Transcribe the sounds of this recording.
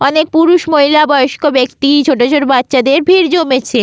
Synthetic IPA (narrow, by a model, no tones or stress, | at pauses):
ɔnek̚puɾuʃmoilabɔjoʃkobekt̪it͡ɕʰoʈ̬ot͡ɕʰoɾbatːɕad̪eɾbʱiɾd͡ʑomet͡ɕʰe